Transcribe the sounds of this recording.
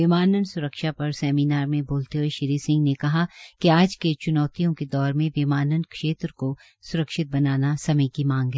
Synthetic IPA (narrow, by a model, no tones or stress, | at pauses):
ʋɪmaːnənsʊɾəkʃapɐɾsɛːmiːnaːɾmẽboːlt̪eɦoeʃɪɾiːsɪ̃ŋɡnekɐɦakeaːd͡ʒket͡ʃʊnɔːt̪ijõked̪ɔːɾmẽʋɪmaːnənkʃeːt̪ɾko | sʊɾəkʃɪt̪̚bɐnaːnasɐməikimãːŋɡɦɛː